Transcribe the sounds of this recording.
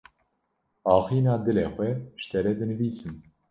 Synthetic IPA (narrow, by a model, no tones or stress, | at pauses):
ɑːxiːnɑːd̪ɨleːxʷɛʃt̪ɛɾɛd̪ɨnɨviːsɨn